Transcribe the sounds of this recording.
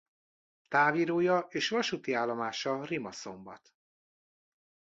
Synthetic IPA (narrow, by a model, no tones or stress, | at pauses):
t̪aːviːɾoːjɒeːʃvɒʃut̪iaːlːo̞maːʃɒrimɒso̞mbɒ̰t̪